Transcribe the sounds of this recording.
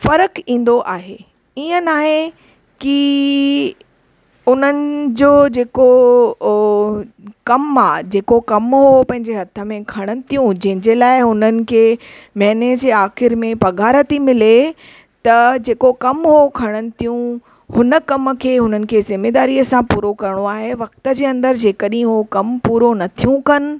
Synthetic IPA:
fɐɾəkĩːn̆d̪oʔaːɦḛː | iːə̃naːɦe | ki | ʊn̤ənɪ̆d͡ʑoːd͡ʑeːko | kɐmaːd͡ʑeːkokɐmɦopɐ̃ɦɪ̃ɲd͡ʑeɦɐt̪ʰə̆mẽkʰɐɽ̃ənɪ̆t̪ijũd͡ʑɐ̃ɦɪ̃ɲd͡ʑeːlaːɪʊnənɪ̆kʰeːmɛːneːd͡ʑeaːxɪɾmẽpɐɡʱaːɾət̪imɪle | t̪ɐd͡ʑeːkokɐmɦokʰɐɽ̃ənɪ̆t̪ʰijũ | hʊnə̆kɐmkʰeːɦʊn̤ənɪ̆kʰeːzɪmeːd̪aːɾiːəsãpuːɾokɐɾəɽ̃oaːɦeʋɐk̚t̪ə̆d͡ʑeːɐ̃nd̪əɾd͡ʑeːkəɗĩɦokɐmpuːɾonɐt̪ʰijũkɐnɪ̆

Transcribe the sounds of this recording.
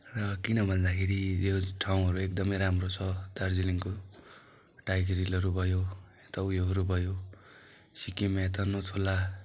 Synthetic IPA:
rʌkinʌbʱʌnd̪akʰeɾijoʈʰaw̃ɦʌɾuek̚d̪ʌmʌjɾamrot͡sʰʌd̪ard͡ziliŋko | ʈajɡeɾilʌɾubʱʌjo | et̪ʌujoɦʌɾubʱʌjo | sikimaet̪ʌnot̪ʰola

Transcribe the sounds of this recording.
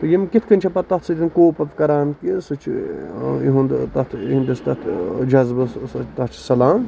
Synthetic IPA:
t̪ɨjimkit̪ʰkɐnʲt͡ʃʰɐpɐt̪ɐt̪ʰsɨt̪ʲinkoːpɐpkɐɾaːnkisɨt͡ʃʰḭ | iɦund̪t̪ɐt̪ʰɦind̪ist̪ɐt̪ʰd͡ʒɐzbɐsɐt͡ʃt̪ɐt͡ʃʰsɐlaːn

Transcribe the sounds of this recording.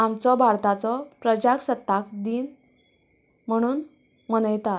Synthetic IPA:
amt͡sɔbʱaɾt̪at͡sɔpɾəd͡ʑaksət̪ːak̚d̪iːn | m̤əɽ̃uːn | məñəjt̪a

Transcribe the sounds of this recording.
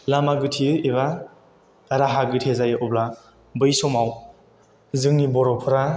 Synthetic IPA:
lamaɡɯtʰiɯiβaː | ɾaɦaɡɯtʰezajɯʔɔbla | bɯjsɔmaw | zɯŋnibɔɾɔpʰɯɾa

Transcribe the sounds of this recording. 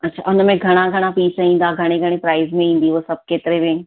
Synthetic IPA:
ɐtːʃʰa̰ːʊnmẽɡʱɐɽ̃aɡʱɐɽ̃apiːsaĩːn̆d̪aɡʱɐɽ̃ẽɡʱɐɽ̃ẽpɾaːɪzmẽĩːn̆d̪iʋoːsɐb̚keːt̪ɪɾemẽ

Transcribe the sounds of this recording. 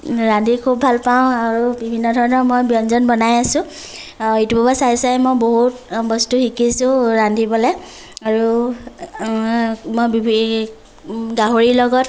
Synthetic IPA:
ɹandʱikʰubʱalpaʊ̃aɹubibʱinːɔdʱɔɹɔnɔɹmojbiɔnzɔnbɔnajasʊ̃ | itubabasajsajmojboɦut̚bɔstuxikisʊ̃ɹandʱibɔlɛ | aɹu | mojbibʱi | ɡaɦoɹilɔɡɔt

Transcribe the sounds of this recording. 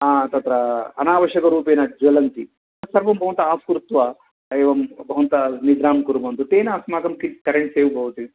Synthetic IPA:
aːt̪ɐt̪ɾɐɐ̰naːʋɐʃjɐkɐɾuːp̬eːnɐd͡ʒɐlɐnt̪i | sɐɾʋɐmbʱɐʋɐnt̪ɐaːskuɾut̪ʋɐ | eːʋɐmbʱɐʋɐnt̪ɐnid̪ɾaːmkuɾubɐnt̪ut̪eːnɐːsmaːɡɐmkikɐɾeɳʈseːʋubʱɐʋut̪i

